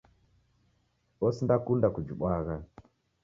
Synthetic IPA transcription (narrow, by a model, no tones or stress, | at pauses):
ɔsindakundakud͡ʒuɓwaɣa